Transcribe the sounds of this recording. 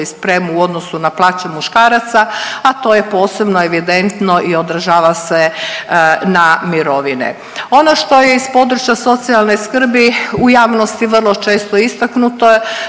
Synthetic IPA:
ispɾemuuo̞d̪nosunaplˠaːt͡ɕemuʃkaːɾat̪saat̪o̞ːje̞po̞ːse̞bnoeʋid̪ent̪no̞ʔio̞d̪ɾʒaːʋase | namiɾo̞ʋinḛ | o̞no̞ʃt̪o̞je̞ispo̞d̪ɾut͡ɕjaso̞t̪sialne̞skr̩biujaːʋnost̪iʋr̩lˠo̞t͡ʃe̞ːst̪oist̪aknut̪o

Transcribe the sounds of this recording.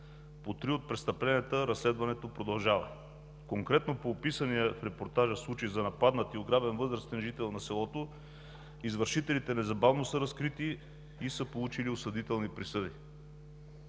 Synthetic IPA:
pot̪ɾiot̪̚pɾɛst̪ɐplɛnɛt̪əɾɐslɛd̪vɐnɛt̪opɾod̪ɐlˠʒavɐ̰ | koŋkɾɛt̪nopoːpisənijəfɾɛpoɾt̪aʒəslˠut͡ʃizɐnɐpad̪nət̪ioɡɾabɛnvɤzɾəst̪ɛnʒit̪ɛlˠnɐsɛlˠɔt̪o | izvəɾʃit̪ɛlit̪ɛnɛzɐbavnosəɾɐskɾit̪i | isəpolˠut͡ʃiliosɐd̪it̪ɛlˠnipɾisɤd̪i

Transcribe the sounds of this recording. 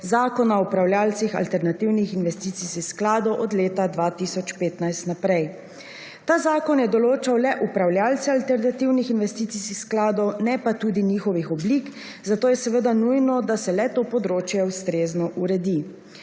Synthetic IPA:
zaːkɔnaupɾawlʲjaːlsixa̰lt̪ɛɾnat̪iwnixinʋɛst̪it̪sisixsklaːd̪ɔwʔɔd̪leːt̪ad̪ʋaːt̪isɔt͡ʃpeːt̪najst̪napɾɛj | t̪aːzaːkɔnjɛd̪ɔloːt͡ʃawlɛʔupɾawlʲjaːlt̪sɛalt̪ɛɾnat̪iwnixinʋɛst̪iːt̪sisixsklaːd̪ɔwnɛpat̪uːd̪inixɔʋixɔblik | zat̪oːjɛsɛʋəd̪anujnɔd̪asɛlɛt̪oːpɔd̪ɾoːt͡ʃjɛwst̪ɾeːznɔʔuɾɛd̪i

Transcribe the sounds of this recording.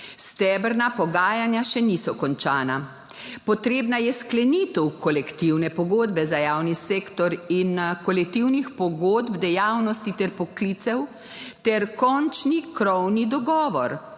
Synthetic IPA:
st̪ɛːbəɾnapɔɡaːjanjaʃɛnisɔkɔnt͡ʃaːna | pɔt̪ɾeːbnajɛsklɛnit̪əwkɔlɛkt̪iwnɛpɔɡoːd̪bɛzajaːwniseːkt̪ɔɾinkɔlɛkt̪iwnixpɔɡoːd̪bd̪ɛjaːwnɔst̪it̪ɛɾpɔklit̪sɛw | t̪ɛɾkɔnt͡ʃnikɾɔwnid̪ɔɡɔːʋɔɾ

